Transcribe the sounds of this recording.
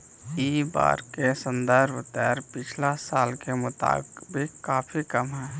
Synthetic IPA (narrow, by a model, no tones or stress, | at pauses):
iːba̰ːɾkesə̃nd̪əɾbʱt̪ɛːɾpɪt͡ʃʰlasaːlkemʊt̪a̰ːbkbʱikkːaːpʰikəmɦɛː